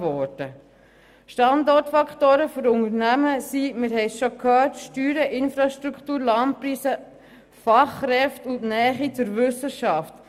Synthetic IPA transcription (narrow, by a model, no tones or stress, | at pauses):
ʋɔːɾd̥ə | ʃtɑndɔɾtfɑkχtoːɾəfɔɾʊŋəɾnæməsimɪɾɦɛɪsʃokʰhœːtʃtyːɾəʔɪnfɾɑʃtɾukʰtuːɾlɑmpɾiːsə | fɑχːɾɛftʊntnɛːχit͡sʊɾʋʏsəʃɑft